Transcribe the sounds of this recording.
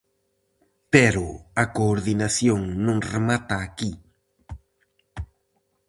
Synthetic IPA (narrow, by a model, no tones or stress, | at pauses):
peɾoakoːɾðinasjoŋnʊŋremat̪aːki